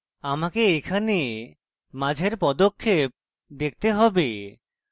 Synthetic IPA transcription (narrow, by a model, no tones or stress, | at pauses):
amakeekʰane | mad͡ʑʱeɾpɔd̪okʰːep̚ | d̪ek̚ʰt̪eɦɔbe